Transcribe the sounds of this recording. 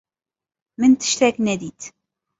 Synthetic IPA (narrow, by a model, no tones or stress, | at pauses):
mənt̪ə̥ʃt̪æknæd̪it̪